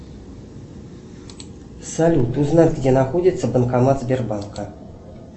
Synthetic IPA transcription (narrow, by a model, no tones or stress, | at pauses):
salʲut̪uznɑt̪ʲɡdʲenɑxodʲit̪səbɤ̆nkɑmɑzbʲerbɑnkə